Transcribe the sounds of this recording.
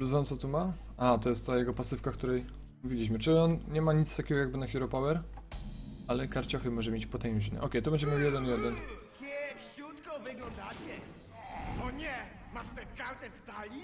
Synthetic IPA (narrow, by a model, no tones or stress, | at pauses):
luzɔnt̪sɔt̪uma | at̪ɔjɛst̪t̪ajɛɡɔpasɨfkafkt̪uɾɛj | muvʲilʲiɕmɘt͡ʂɘɔnɲɛmaɲit̪st̪akʲɛɡɔjaɡ̚bɘnaxʲiɾɔpawɛɾ | alɛkaɾt͡ɕɔxɘmɔʐɛmʲjet͡ɕpɔt̪ɛ̃ʐinɛ̰ʔɔkʲɛjt̪ɔbɛɲd͡ʑɛmʲjawjɛd̪ɛnjɛd̪ɛnkʲɛfɕut̪kɔvɪɡlɔ̃nd̪at͡ɕɛ | ɔɲɛ | maʂt̪ɛkaɾt̪ɛst̪alʲi